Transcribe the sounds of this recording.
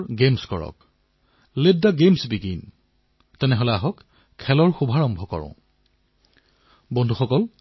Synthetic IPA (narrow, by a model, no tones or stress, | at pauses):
ɡemskɔ̰ɹɔ̰k̚ | ledːaɡemsbiɡin | tɛnɛɦolɛaɦɔkʰː | ɛlɔɹxubʱaɹɔmbʱɔkɔ̰ɹɔ̰̃ | bɔndʱuxɔkɔl